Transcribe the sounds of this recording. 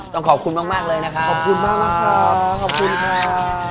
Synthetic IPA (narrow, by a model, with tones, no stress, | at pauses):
t̪ɔː˥˩ŋkʰɔː˩p̚kʰu˧nmaː˥˩k̚maː˥˩k̚lɤː˧jna˦˥kʰa˦˥kʰɔː˨˩p̚kʰu˧nmaː˥˩ŋ̚na˦˥˩kʰaː˧˩kʰɔː˨˩kʰu˧nkʰaː˧˩